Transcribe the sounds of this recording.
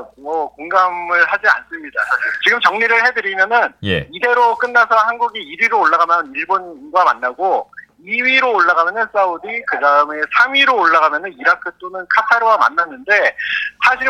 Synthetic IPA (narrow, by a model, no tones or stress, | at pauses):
mʌkoŋɡamɯɭhad͡ʑia̰ns͈ɯmɲida̰t͡ɕiɡɯmt͡ɕʌŋɲiɾɯɭhe̞dɯɾimjʌnɯnjeide̞ɾok͈ɯnːasʰʌhanɡuɡiiɾiɾoːɭːaɡamjʌniɭbonɡwama̰nːaɡo | iɥiɾoːɭːaɡamjʌnɯns͈audikɯdaɯme̞sʰamɥiɾoːɭːaɡamjʌnɯniɾakʰɯt͈onɯnkʰatʰaɾɯwama̰nːanːɯnde̞sʰaɕʰi